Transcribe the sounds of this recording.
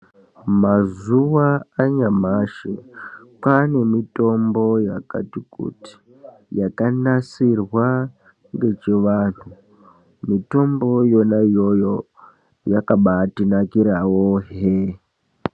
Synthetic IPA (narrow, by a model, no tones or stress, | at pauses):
mazuwaːɲamaʃepane̞mito̞mbo̞jaka̰tikṵti̥ | jakanasirwa | ŋɡe̞t͡ʃeʋaːn̤u | mito̞mbo̞jo̞naijo̞jo | jakaɓatinakiɾawoɦe